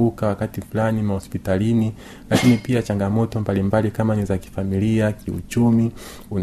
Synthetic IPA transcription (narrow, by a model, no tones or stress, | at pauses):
ukawakatifulanimahɔspitalini | lakinipiat͡ʃaŋɡamɔtɔmbalimbalikamanizaki̥familiakiṵt͡ʃumi | un